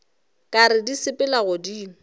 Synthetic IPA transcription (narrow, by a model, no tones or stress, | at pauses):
kʼaɾɪdisɪpʼɪlaɣʊdiːŋ̩